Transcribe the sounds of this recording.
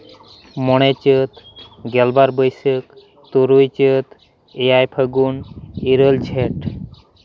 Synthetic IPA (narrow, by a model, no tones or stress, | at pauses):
mɔɽ̃et͡ʃət̪ɡelbaɾbəjsək | t̪uɾujt͡ʃət̪ | ejajpʰəɡuniɾəld͡ʑʱeʈ